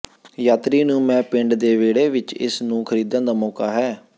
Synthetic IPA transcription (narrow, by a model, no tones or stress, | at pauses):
jaːt̪ɾiːnũːmɛ̃ːpɪɳɖd̪eːʋeːɽeːʋɪt͡ʃɪ̰snũːkʰəɾiːd̪ãːd̪aːmɔːkaːɦɛː